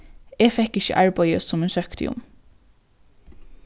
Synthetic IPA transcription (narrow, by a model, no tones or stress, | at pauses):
eːfɛkːɪçə̰ʔɑɹbɑɪəsʊmeːnsœkt̪ʰɪ̰ʊ̰m